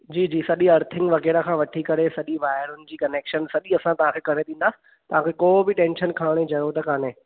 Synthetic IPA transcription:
d͡ʑiːd͡ʑiːsɐɗiɐɾt̪ʰɪ̃ŋɡʋɐkeːɽakʰãːʋɐʈʰikɐɾesɐɗiʋaːɪɾʊnɪ̆d͡ʑiːkɐneːkʃənsɐɗiɐsãt̪ɐʋ̤ãkʰeːkɐɽ̃ed̪ĩːn̆d̪aːsɪ̥̆ | t̪ɐʋ̤ãkʰeːkoːbɪʈẽːnʃənkʰaːɽ̃ed͡ʑɐjot̪ɐkaːnẽː

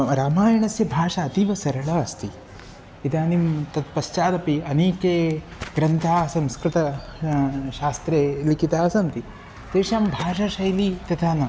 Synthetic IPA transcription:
ɾaːmaːjɐɳɐsjɐbʱaːʂɐːt̪iʋɐsɐɾɐɭɐɐst̪i | it̪aːnimt̪ɐt̪̚pɐst͡ʃaːd̪ɐpiɐneːkeːɡɾɐnt̪ʰaːsɐ̃mskɾɪt̪ɐ | ʃaːst̪ɾeːlikit̪aːsɐnt̪i | t̪eːʂaːmbʱaːʂɐʃɐjlit̪ɐt̪ʰaːnɐ

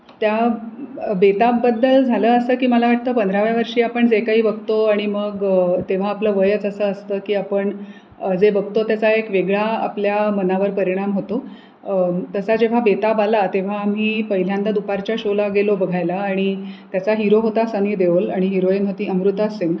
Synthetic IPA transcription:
t̪ja | bet̪abːəd̪ːəld͡zʱaləːəsəːkiːməlaʋaʈ̚t̪əːpənd̪ɾaʋjaʋəɾʂiːapəɳd͡zekaɦiːbəɡ̚t̪oaɽ̃iməɡət̪eʋ̤aːpləːʋəjət͡səsəːəst̪əːkiːapəɳ | əd͡zebəɡ̚t̪ot̪jat͡saekʋeɡɭaa̰pljamənaʋəɾpəɾiɽ̃amɦot̪o | t̪əsad͡ʑeʋ̤abet̪abalat̪eʋ̤aːm̤iːpəɦil̤jãnt̪ad̪upaɾt͡ɕjaɕolaɡelobəɡʱajlaːɽ̃it̪jat͡saɦiɾoɦot̪asəniːd̪eolaɽ̃iɦiɾoinɦot̪iːəmɾut̪aseŋɡ

